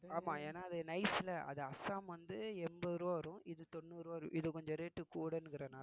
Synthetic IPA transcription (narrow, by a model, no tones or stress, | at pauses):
aːmaːeːnaːɐðɯnɐɪsɪlɐɐ̰ðɯɐsaːmʋɐnd̪ɯɛmbɐðɾoːʋɐɾʊ̃ɪðɯt̪ɔnːɯɾoːʋɐɾʊ̰̃ʔɪðɯkɔɲd͡ʒɔ̃ɾeːʈːɯkuːɽɐnːɯkɪɾɐnaː